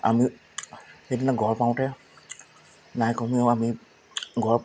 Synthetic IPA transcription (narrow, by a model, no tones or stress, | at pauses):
a̰mi | xejdinaɡʱɔɹpaw̃tɛ | najkɔmiɔami | ɡʱɔɹp